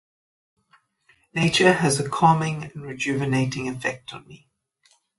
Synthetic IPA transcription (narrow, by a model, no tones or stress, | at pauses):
neɪt͡ʃəəzəkʰɑːmɪ̃ŋə̃nɹɪd͡ʒʉːvəneɪtɪ̃ŋɪfɛk̚tʰn̩mi